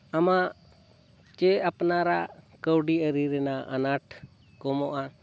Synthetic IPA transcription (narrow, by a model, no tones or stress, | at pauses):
ama | t͡ʃɛapnaɾakəwɖiəɾiɾɛnaʔa̰naʈʰ | kɔmɔʔa